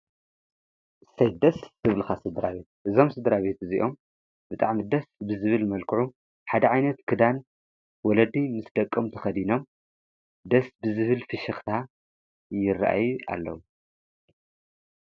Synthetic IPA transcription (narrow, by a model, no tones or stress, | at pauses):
ʔɨsɐjt̪d̪ɐszɨβlɨxasɨd̪ɨɾaβe̞t̪̚ʔɨzo̞msɨd̪ɨɾaβe̞t̪ɨziʔo̞m | bɨt̪ʼaʕmid̪ɐsbɨzɨβɨlmɐlkʰɨʕu | ħad̪ɐʕajnɐt̪kʰɨd̪an | wɔlɐd̪imɨsd̪ɐkʼːomt̪ʰɐxɐd̪ino̞m | d̪ɐsbɨzɨβɨlfɨʃɐxt̪ʰa | jɪra̰ʔa̰juʔa̰lːɐ̰wu